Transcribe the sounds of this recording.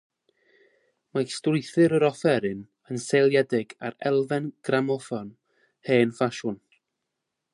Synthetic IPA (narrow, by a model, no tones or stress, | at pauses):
mastrʊɨθɨɾəɾɔfɛɾɪn | ənsejlˠjɛdɪɡa̰ɾɛlˠvɛnɡ̥ramɔfɔn | heːnfaʃʊn